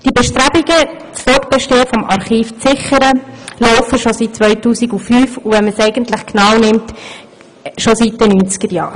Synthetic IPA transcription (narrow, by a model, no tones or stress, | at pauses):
d̥ibɛʃtɾæbiɡə | t͡sfɔt̚b̥ɛʃteːəfɔmʔɑɾχiːft͡sɪχəɾəlɔʊfəʃɔsit̚t͡sʋœʏtuːsiɡufyːfuvɛnməsɛɪɡəntlɪχknɑːwnɪmt | ʃosit̚d̥ɛnyːnt͡sɡ̥əɾjɑ̰ːɾ